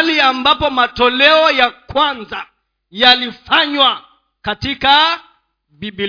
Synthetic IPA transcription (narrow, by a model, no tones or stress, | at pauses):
liambapɔmatɔlɛɔjakwanza | jalifaɲwa | katika | bibi